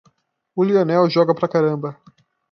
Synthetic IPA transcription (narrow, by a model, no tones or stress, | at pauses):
ʊlionɛwʒɔɡɐpɾɐkaɾɐ̃mbɐ